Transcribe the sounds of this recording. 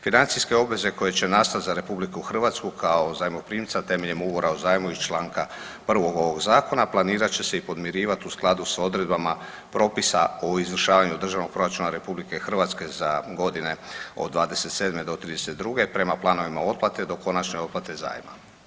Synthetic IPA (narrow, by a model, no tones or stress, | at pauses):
finant̪sijske̞o̞bʋe̞ze̞ko̞je̞t͡ɕe̞nast̪at̪zaɾe̞publikuxr̩ʋat̪skukʰao̞zaːjmopɾiːmt̪sat̪e̞ːmeʎe̞muvo̞ɾaozaːjmuit͡ʃlaːŋka | pr̩ʋo̞ɡo̞ʋo̞ɡzaːko̞naplˠaniːɾat͡ɕe̞se̞ipo̞d̪mjieɾiːʋat̪iusklˠad̪uso̞d̪ɾe̞d̪̚bama | pɾo̞ːpisaoizʋər̩ʃaːʋaɲud̪r̩ʒaʋno̞ɡ̚pɾo̞ɾat͡ʃunaɾe̞publike̞xr̩ʋat̪ske̞zaɡo̞d̪ine̞od̪ːʋaːd̪e̞se̞t̪se̞ːd̪me̞d̪o̞t̪ɾiːd̪eset̪̚d̪ɾuɡe̞pɾe̞maplˠaːno̞ʋimao̞t̪̚plˠat̪e̞d̪o̞ko̞nat͡ʃne̞o̞t̪plat̪e̞za̰ːjma̰